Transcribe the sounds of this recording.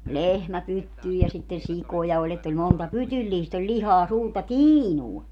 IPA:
lehmæ pytːyː jɑ sitːen̞ sikojɑ olʲ etː olʲ montɑ pytylːiːst olʲ lʲihɑː suːrtɑ tiːnuɑ

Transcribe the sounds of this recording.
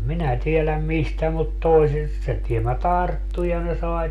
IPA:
minæ tielæm mistæ mut toisist se tiemːæ tɑrtːu jɑ ne sɑi

